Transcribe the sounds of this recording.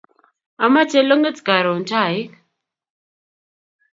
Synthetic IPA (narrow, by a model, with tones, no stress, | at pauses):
a˨ma˦t͡ʃɛ˦lo˦ŋə˦t͡ska˨ɾɔ˨n˨ta˦˨ɪ˦